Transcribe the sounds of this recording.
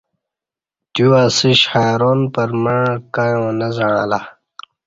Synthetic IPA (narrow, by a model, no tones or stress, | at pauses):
t̪uaːsiɕhajɾoːnpɐɾmakajõːnɐzɐɽ̃ãːla